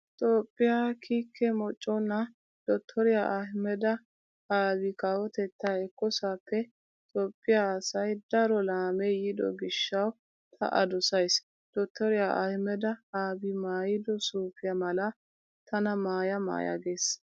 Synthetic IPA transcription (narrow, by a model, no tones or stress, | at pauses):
t̪ʼoːpʼːɪjaːkʰiːkʰːɛmɔt͡ʃʼːɔnːɐ | d̪̥ɔt̪ʰːɔɾɪjaʔɐhɪmɛd̪ɐ | haːbɪkaːwɔt̪ɛt̪ːaɛkːɔsaːpːɛ | t̪ʼoːpʼːɪjaːsɐjd̪ɐɾɔlaːmejɪd̪ɔ̰ɡɪʃːɐw | t̪ʰɐ̰ʔɐ̰d̪ɔsɐjs | d̪̥ɔt̪ʰːɔɾɪjaʔɐ̰hɪmɛd̪ɐhaːbimaːjɪd̪ɔsuːfɪjɐmɐlɐ | t̪ʰɐnɐmaːjɐma̰ːjɐ̰ɡeːs